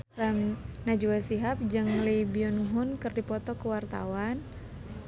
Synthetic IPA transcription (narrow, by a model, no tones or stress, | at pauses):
ramnad͡ʒuwasiɦap̚d͡ʒɨŋlibiɔnɦʊnkɨrdipɔt̪ɔkəwart̪a̰wan